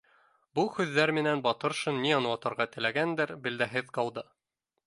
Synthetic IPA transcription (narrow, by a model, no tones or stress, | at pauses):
buhʉðːæɾmɘ̆nænbɒt̪ɤ̆ɾʃɤnːiɒnwɑt̪ɤ̆ɾʁɑt̪ɘ̆læɡænd̪ɘɾbɘ̆ld̪æɦɘðqɑlˠd̪ɤ